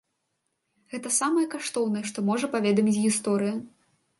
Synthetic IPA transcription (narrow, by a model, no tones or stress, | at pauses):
ɣɛt̪ɐsamɐjɐkaʂt̪ɔwnɐjɛʂt̪ɔmɔʐɐpavʲɛd̪ɐmʲit͡sʲɣʲist̪ɔɾɨjɐ